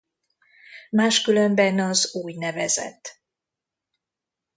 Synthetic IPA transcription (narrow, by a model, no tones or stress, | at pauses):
maːʃkylømbɛnɒzuːjnɛvɛzɛ̰t̪ː